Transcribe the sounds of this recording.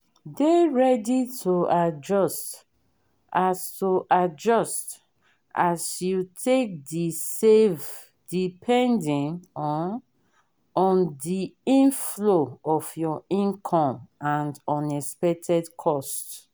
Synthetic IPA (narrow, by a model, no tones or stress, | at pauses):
deɹɛditʰoad͡ʒɔst | ʔastoʔad͡ʒɔst | ʔasjutʰek̚disev | dipʰɛ̃ndĩnɔn | ɔ̃ndiĩnfloɔfjɔĩnkʰɔ̃mãndɔ̃nɛspɛk̚tʰɛdkʰɔst